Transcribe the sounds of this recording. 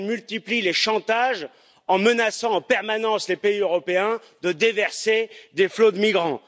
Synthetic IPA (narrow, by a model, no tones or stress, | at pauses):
mylt̪iplileʃɑ̃t̪aʒ | ɑ̃mənasɑ̃ɑ̃pɛʁmanɑ̃slepeiøʁɔpeɛ̃ | d̪əd̪evɛʁsed̪eflod̪əmiɡʁɑ̃